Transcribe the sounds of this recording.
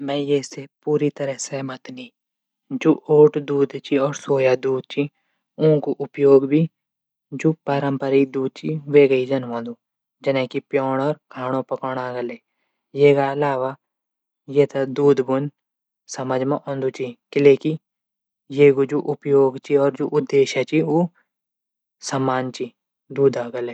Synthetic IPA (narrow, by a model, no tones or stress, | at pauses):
mɛ̃ːjeːsepuːɾit̪ɐɾəɦsemɐt̪niː | d͡ʒuʔoːʈd̪uːd̪t͡ʃiɔːɾsoːjad̪uːd̪̚t͡ʃi | õːkuʔʊpjoːɡbʱi | d͡ʒupaːɾə̃mpəɾid̪uːd̪̚t͡ʃiʋeːɡəid͡ʒɐnʋãːnd̪uː | d͡ʒɐnãːkipjɔːɽɔːɾkʰaːɽ̃õpɐkɔːɽ̃aːɡɐleː | jeːkaɐlaːʋa | jeːt̪ɐd̪uːd̪bʊn | sɐməd͡ʒmãʔõnd̪ut͡ʃikɪleːki | jeːɡud͡ʒuʔʊpjoːɡt͡ʃiɔːɾd͡ʒoʔʊd̪ːeːʃat͡ʃiuː | sɐmːaːnt͡ʃi | d̪uːd̪aːɡɐleː